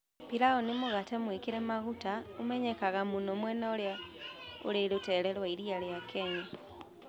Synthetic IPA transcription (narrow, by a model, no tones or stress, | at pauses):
pilaonimuɣatemwikiɾemaɣutaumeɲekaɣamunomweːnaolja | ṵlelutelelwaiɾialjakʰeːɲa